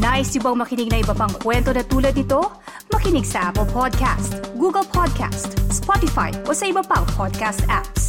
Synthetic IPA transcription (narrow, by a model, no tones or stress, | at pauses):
naːʔɪsjʊbɐŋmɐkɪnɪɡ̚nɐʔɪbɐpɐŋkwɛnt̪onɐt̪uːlɐd̪̚nɪt̪o̞ | mɐkɪnɪɡsɐʔapɛlpʰod̪̚kʰa̰st̪ɡuːɡɐlpʰɔd̪̚kʰa̰st̪spot̪ɪfa̰jʔo̞sɐʔɪbɐpɐŋpʰod̪̚kast̪ʔaps